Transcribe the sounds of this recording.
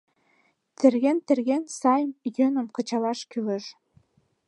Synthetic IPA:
t̪ĕrɣent̪ɘ̆rɣensɑjmjønə̆mkɤ̆t͡ɕɑlɑʃkylə̆ʃ

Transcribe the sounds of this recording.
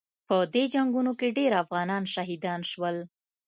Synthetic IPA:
pəd̪ed͡ʒaŋɡunokeɖeɾafɣɑnɑnʃaɦid̪ɑnʃwəl

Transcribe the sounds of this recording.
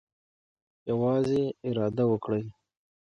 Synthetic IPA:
jawɑːzeɪɾɑːd̪awəkɽej

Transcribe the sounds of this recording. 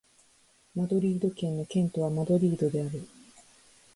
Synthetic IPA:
mad̪o̞ɾʲiːd̪o̞kẽ̞nːo̞kẽ̞nt̪o̞β̞amad̪o̞ɾʲiːd̪o̞d̪e̞aɾɯ̟

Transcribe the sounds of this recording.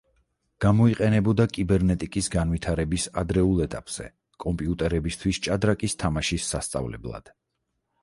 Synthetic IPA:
ɡ̥amɔiqʼɛnɛbɔd̪akʼibɛɾnɛt̪ʼikʼisɡanwit̪ʰaɾɛbisad̪ɾɛulˠɛt̪ʼapʼz̥ɛ̰ | kʼɔmpʼiut̪ʼɛɾɛbist̪ʰwist͡ʃʼad̪ɾakʼist̪ʰamaʃisːast̪sʼa̰vlɛ̰blˠa̰d̪̥

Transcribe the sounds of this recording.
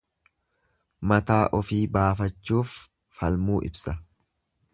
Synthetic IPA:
mɐt̪aːʔɔfiːbaːfɐt͡ʃːuːfː | ɐlmuːʔɪ̰bsɐ

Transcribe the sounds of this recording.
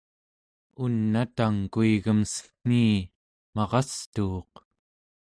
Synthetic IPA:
unːat̪aŋkuiɣəmsə̥kn̥iː | mɑʁɑst̪uːq

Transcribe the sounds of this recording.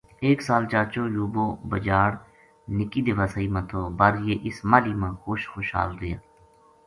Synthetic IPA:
eːksaːlt͡ʃaːt͡ʃoːjuːboːbəd͡ʒaːɽ | nɪkiːd̪ɪʋaːsəiːmãːt̪ʰoːbɐɾjeːʔɪsmaːliːmãːxoːʃxoːʃɦa̰ːlɾɪjaː

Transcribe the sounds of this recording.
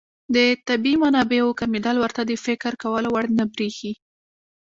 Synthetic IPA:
d̪ət̪abimanɑbeokamid̪ɑlwəɾt̪ad̪əfɪkɾkawəlowaɽnəbɾixi

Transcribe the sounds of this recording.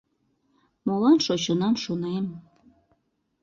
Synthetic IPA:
molɑnʃot͡ɕənɑmʃonem

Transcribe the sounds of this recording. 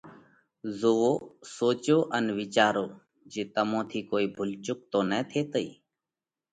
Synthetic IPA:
zoːoːsoːt͡ʃoːʔənʋɪt͡ʃaːɾoː | d͡ʒeːt̪əmõːt̪ʰiːkoːiːbʱʊlt͡ʃʊk̚t̪õːnɛːt̪ʰeːt̪əḭː

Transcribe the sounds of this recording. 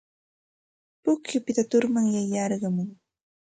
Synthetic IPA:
pʊkjʊpɪt̪at̪ʊɾmaŋjajɑɾɢɑmʊŋ

